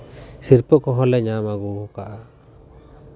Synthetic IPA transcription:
siɾpɔkɔɦɔ̃lɛɲamaɡukaʔa

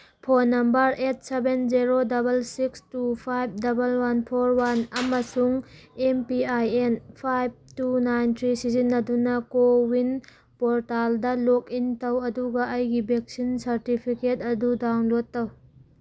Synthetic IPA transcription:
pʰonːɐmbɐɾet̚sebenziɾodɐbɐlsikstupʰajb̚dɐbɐlwanpʰoɾwanɐmɐsuŋempiajenpʰajb̚tunajntʰɾisizinːɐdunɐkowin | poɾtaldɐlokintɐwɐduɡɐʔɐjɡibek̚sinsɐɾtipʰiketɐdudawnlotːɐw

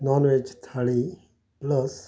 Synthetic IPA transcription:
nɔːnʋed͡ʒt̪ʰaɭi | lɔs

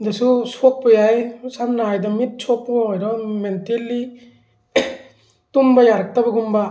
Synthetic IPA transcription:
dasusok̚pɔjajsanːajdamit̚sʰok̚pɔɔjɾɔmentelːi | tumbajaɾak̚tabɐɡumba

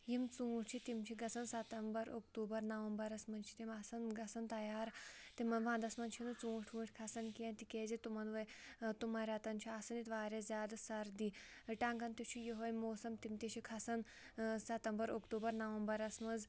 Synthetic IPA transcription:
jimt͡sũːt͡ʃʰit̪imt͡ʃʰiɡɐsɐnsɐt̪ɐmbɐɾokʈ̪uːbɐɾnɐʋɐmbɐɾɐsmɐnt͡ʃʰi̥t̪imɐsɐnɡɐsɐnt̪ɐjaːɾt̪emɐnʋãːnd̪ɐsmɐnt͡ʃʰinut͡sũːʈʰũːʈʰʲkʰɐsɐnkiɐ̃nt̪ikezet̪umɐnʋɐjt̪umaɾʲat̪ɐnt͡ʃʰiasɐnit̪ʋaːɾezjaːd̪ɐsɐɾd̪i | ʈãːŋɡɐnt̪it͡ʃʰijiɦojmoːsɐmt̪imt̪et͡ʃʰikʰɐsɐn | sɐt̪ɐmbɐɾokʈuːbɐɾnɐʋɐmbɐɾɐsmɐd͡z

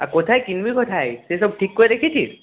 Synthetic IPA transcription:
akɔt̪ʰajkinbikot̪ʰajsesɔb̚ʈʰikːojɾekʰitʰis

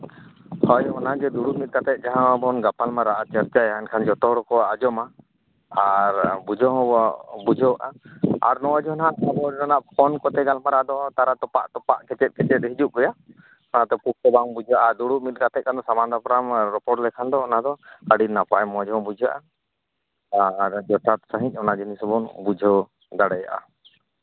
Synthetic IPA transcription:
hɔjɔnad͡ʒɛd̪uɽuʔmit̪̚ɡat̪ɛt̪̚ˀd͡ʒaɦãbɔnɡapalmaɾaʔat͡ʃaɾt͡ʃajaɛnkʰand͡ʒɔt̪ɔɦɔɽɔkɔad͡ʒɔma | aɾbud͡ʒɔɦɔ̃ɔbud͡ʒɔwʔa̰a̰ɾnɔwad͡ʒɔnɦanabɔanaʔpʰɔnkɔt̪ɛɡalmaɾad̪ɔt̪aɾat̪ɔpa̰ʔt̪ɔpaʔkɛt͡ʃɛt̪̚kɛt͡ʃɛt̪̚ɦid͡ʒuʔ̚ɡɔja | ɔnat̪ɛpuk̚sɔbaŋbud͡ʒʱaʔad̪uɽuʔmit̪̚ɡat̪ɛkand̪ɔsamand̪apɾamɾɔpɔʈlɛkʰand̪ɔːnad̪ɔkaɽinːapaʔɛmɔd͡ʒɔɔ̃bud͡ʒʱaʔa | aɾd͡ʒɔt̪at̪saɦĩɲ̚ˀɔnad͡ʒinisɔbɔnbud͡ʒʱɔ | d̪aɽɛja̰ʔa̰

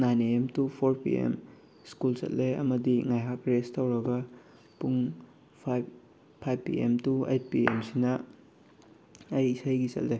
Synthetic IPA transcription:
najneemtupʰoɾpḭḛm | skulsɐ̰t̚lejɐ̰mɐdiŋajɦakɾestɐwɾɐɡɐ | puŋ | pʰ | pʰajbpːḭḛmtuḛjt̚piemsinɐ | ɐjisajɡisɐ̰t̚le

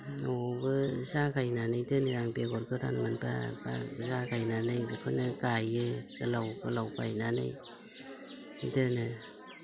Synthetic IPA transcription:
ɔbɯzakʰajnanɯjdɯnɯaŋbeɡɔɾɡɯɾa̰nmanpa̰ba̰zakajnanɯjbɯkʰɯnɯkajɯkɯlawkɯlawkajnanɯ̰j | dɯnɯ

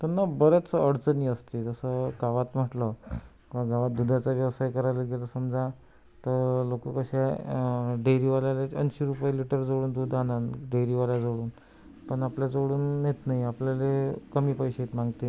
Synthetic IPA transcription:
t̪əɾnːabəɾat͡səəɽt͡səniːəst̪ed͡zəsəkaʋat̪m̤əʈləkaɡʱaʋat̪̚d̪ud̪ʱat͡saʋjəʋsajkəɾajləɡʱeləsəmd͡za | t̪əɾlokəkəɕa | ɖeɾiʋaljaleənɕiɾupajeliʈəɾd͡zoɽuːnd̪ud̪ʱananɖeɾiʋaljad͡zoɽuːn | pəɳapljad͡zoɽuːnjet̪naɦiapljalekəmiːpəjɕet̪mãŋɡt̪e

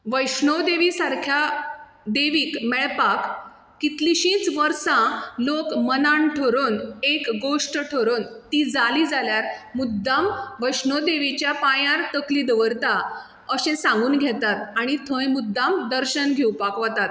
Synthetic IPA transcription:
ʋəjɕɳod̪eʋisaɾkʰja | d̪eʋiːkmɛɭpakː | it̪liɕĩːt͡sʋəɾsãlokmənaɳʈʰoɾonekɡoʂʈʈʰoɾoːnt̪iːd͡zaliːd͡zaljaɾmud̪ːamʋəjɕnod̪eʋit͡ɕjapãjãɾt̪əkliːd̪əʋəɾt̪a | əɕẽsãŋɡuːnɡʱɛt̪at̪aɽ̃it̪ʰə̃jmud̪ːamd̪əɾɕənɡʱewpakʋət̪at̪̚

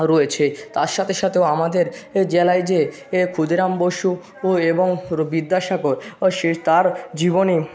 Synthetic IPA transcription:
ɾoet͡ɕʰet̪aɾʃat̪ʰeʃat̪ʰeoamad̪eɾd͡ʑelajd͡ʑe | kʰud̪ʱiɾamboʃu | eboŋbid̪ːaʃakoɾʃet̪aɾd͡ʑiboni

